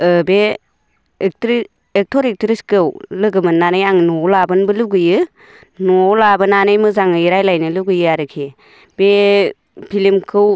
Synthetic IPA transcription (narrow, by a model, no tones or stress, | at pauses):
ɯbe | ek̚tɾi | ek̚tʰɔɾik̚tɾiskɯwlɯɡɯmɯnːanɯjaŋnɔlabɯnbɯluɡɯjɯ | nɔlabɯnanɯjmɯzaŋɯjɾajlajnɯluɡɯjɯaɾɯkʰi | b̥e | pʰilimkʰɯw